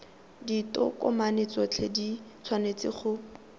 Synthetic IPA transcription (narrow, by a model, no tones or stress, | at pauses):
ditɔ̰kɔmanet͡sɔt͡ɬʰedit͡sʰwanet͡sɪ̰χʊ